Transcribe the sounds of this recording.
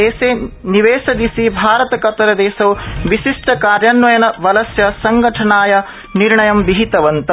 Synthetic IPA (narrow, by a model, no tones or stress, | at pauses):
eːseːniʋeːsɐd̪isibʱaːɾɐt̪ɐkɐt̪ɐɾɐd̪ɛːsɐwʋiʃiʂʈɐkaːɾjaːnʋɐjɐnɐʋɐlɐsjɐsɐŋɡɐʈʰɐnaːjɐ | niɾɳɐjɐmbiɦit̪ɐʋɐnt̪ɐ